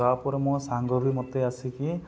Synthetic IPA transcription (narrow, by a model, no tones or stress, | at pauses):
apɔɾɔmɔ̃saŋɡɔbʱimɔt̪easiki